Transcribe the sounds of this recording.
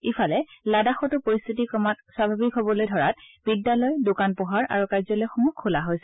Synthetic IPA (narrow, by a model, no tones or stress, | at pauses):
ipʰalɛladaxɔtʊpoɹist̪ʰitikɔmatpɹabʱabikɦobɔlojdʱɔɹa̰t̚bidːalɔjdokanpɔɦaɹa̰ɹukaɹzɔlojxumukʰːulaɦojsɛ